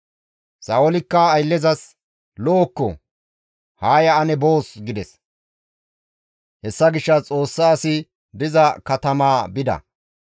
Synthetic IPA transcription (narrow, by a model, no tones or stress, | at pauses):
sɐɔlɪkːɐːjlːɛzɐs | loːkːɔ̰ | haːjɐːnɛbo̞ːsɡɪd̪ɛs | hɛsːɐɡɪʃːɐt͡sʼo̞ːsːaːsɪ | d̪ɪzɐkɐt̪ɐmaːbɪd̪ɐ̰